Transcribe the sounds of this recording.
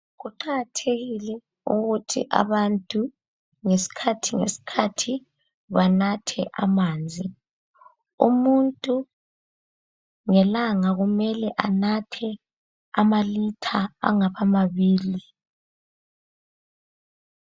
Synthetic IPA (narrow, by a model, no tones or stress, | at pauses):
ɣuǃaɣatʰeɣilɛ | uɣutʰḭʔa̰βantʼu | ŋesi̥kʰatʰiŋḛsi̥kʰatʰi | βanatʰɛʔamaːnd͡zʱi | ṵmuntʼu | ŋɛlaŋaɣumɛlɛʔanatʰɛ | a̰malitʰaa̰ŋaβamaβiːli